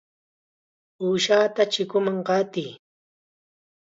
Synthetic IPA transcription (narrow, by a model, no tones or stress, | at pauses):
uːʃaːt̪at͡ʃɪkʊmaŋɢɑt̪ij